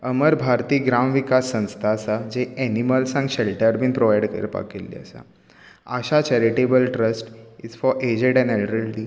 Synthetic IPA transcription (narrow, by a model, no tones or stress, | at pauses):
əməɾbʱaɾt̪iːɡɾamʋikasːə̃w̃st̪ʰasad͡ʑeɛniməlsãŋɡɕɛlʈəɾbiːnpɾoʋajɖkə̰ɾepa̰kḛlːḭə̰sa̰ | əɕat͡ɕɛɾiʈebəlʈɾəsʈizfɔɾʔed͡ʑeɖɛ̃nɛlʈɾəlʈi